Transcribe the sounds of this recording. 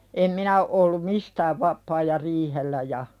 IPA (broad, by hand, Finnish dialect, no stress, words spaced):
em minæ o ʔolːum mistæːʋ ʋɑpˑɑː jɑ riːhelːæ jɑ